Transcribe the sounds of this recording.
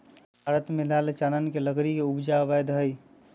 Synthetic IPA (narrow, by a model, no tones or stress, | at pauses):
bʱaɾət̪melalet͡ʃanənkeləɡɾikeubd͡ʒaʋɛd̪ɦəj